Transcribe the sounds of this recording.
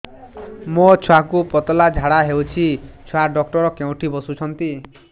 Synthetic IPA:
mot͡ʃʰwakupɔt̪ɔlad͡ʒʱaɽaɦewt͡ʃʰit͡ʃʰwaɖɔkʈɔɾɔkeũʈʰibɔsut͡ʃʰɔnt̪i

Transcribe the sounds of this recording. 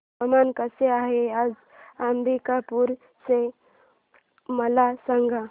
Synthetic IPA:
əmankəseaɦead͡z | ambikapuɾ | se | məlasãŋɡa

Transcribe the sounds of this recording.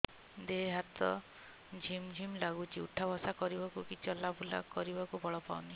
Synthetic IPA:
d̪eɦɦat̪ɔ̰ | d͡ʒʱimd͡ʒʱimlaɡut͡ʃʰiuʈʰabɔsakɔɾibakukit͡ʃʰɔlabula̰kɔɾibakubɔɭɔpa̰uni

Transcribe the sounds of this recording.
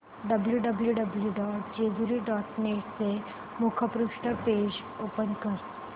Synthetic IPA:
ɖəbljuɖəbljuɖəbljuɖɔːʈ̚d͡ʒeːd̪uɾiɖɔːʈneːʈse | mukʰəpɾʊkʂʈəpeːd͡ʒ | oːpənkəɾ

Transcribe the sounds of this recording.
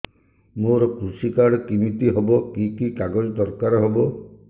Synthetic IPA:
moɾɔkɾusikaɽɔkimit̪iɦɔbɔkikikaɡɔd͡ʒɔd̪ɔɾkaɾɔɦɔbɔ

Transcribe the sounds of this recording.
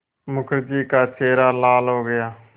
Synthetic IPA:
mʊkʰɾd͡ʒiːkaːsʰeːɾaːlaːlɦoːɡəjaː

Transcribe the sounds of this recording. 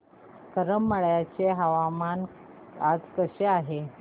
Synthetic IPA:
kəɾəmːəɭjat͡seɦaʋaman | ad͡zkəɕeaɦe

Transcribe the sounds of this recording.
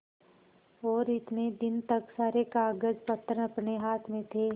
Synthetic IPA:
ɔːɾɪt̪ned̪ɪnt̪əksaːɾekaːɡəd͡ʒpət̪ːɾəɐpneɦaːt̪ʰmẽt̪ʰeː

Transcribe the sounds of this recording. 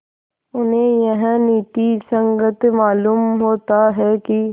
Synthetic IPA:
ʊnɦẽjɐɦə̃niːt̪isə̃ŋɡət̪maːluːmɦoːt̪aɦɛki

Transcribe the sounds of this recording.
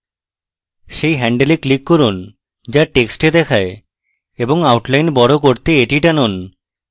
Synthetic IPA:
ʃejɦɛɳɖeleklikːɔɾun | d͡ʑaʈeksʈed̪ɛkʰae | eboŋawʈlajnbɔɽok̬oɾt̪eeʈiʈanon

